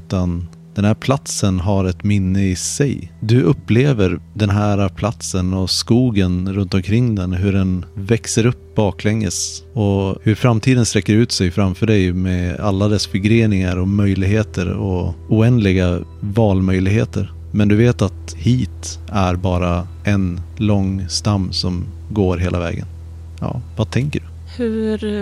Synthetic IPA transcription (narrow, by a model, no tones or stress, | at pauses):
t̪an | d̪̥ɛnhæːɾpʰlat̪sənɦaɾɛt̪mɪnːəɪsɛjd̪ɵʔɵpːleːvəɾd̪ɛnɦæːɾapʰlat̪sənɔskuːɡənɾɵnt̪ɔmkʰɾɪŋːd̪ɛnɦɵɖɛnvɛksəɾɵpːb̥ɑːklɛŋːə̰sɔhɵɾfɾamt̪ʰiːd̪ənst̪ɾɛkːəɾʉ̟ːt̪sɛjfɾamfœːɖɛjmɛalːad̪ɛsfɪɡɾeːnɪŋaɾɔmœjlɪɡheːt̪ʰəɾɔʊɛnd̪lɪɡavɑːlmœjlɪɡheːt̪əɾ | mɛnd̪ɵveːt̪at̪ | hiːt̪ | æɾbɑːɾa | ʔɛnlɔŋːst̪amːsɔm | ɡoːɾɦeːlavɛ̰ːɡə̰n | jɑ̰ːvat̪ʰɛŋkəɖɵ | hʉɾ